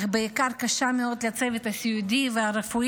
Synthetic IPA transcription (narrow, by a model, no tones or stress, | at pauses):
χbeikaʁkaʃameod̪lat͡sevet̪asiud̪iveaɾefu